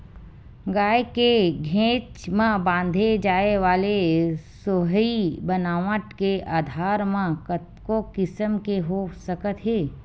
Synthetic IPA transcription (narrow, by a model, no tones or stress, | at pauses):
ɡaːjekeɡʱẽːt͡ʃmãbãːnd̪ʱed͡ʒaːeʋaːlesoɦibənaːʋəʈkeaːd̪ʱaːɾmãkə | kokɪsəmkeɦosəkət̪ɦeː